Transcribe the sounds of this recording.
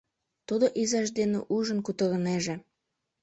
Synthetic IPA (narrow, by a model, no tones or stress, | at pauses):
t̪ud̪oʔizɑʃd̪enḛʔuʒənkut̪əɾəneʒe